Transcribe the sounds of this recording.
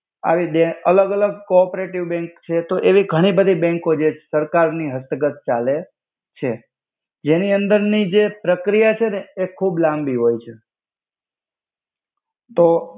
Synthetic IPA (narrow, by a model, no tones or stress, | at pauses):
a̰ʋid̪eələɡələɡ̚kopɾeʈiʋbɛ̃ŋkt͡ʃʰet̪oʔeʋiɡʱəɽ̃ibəd̪ʱibɛ̃ŋkod͡ʒesəɾkaɾniɦəst̪əɡət̪̚t͡ʃale | t͡ʃʰe | d͡ʒeniənd̪əɾnid͡ʒepɾəkɾijat͡ʃʰeneekʰublãmbiɦojt͡ʃʰe | t̪o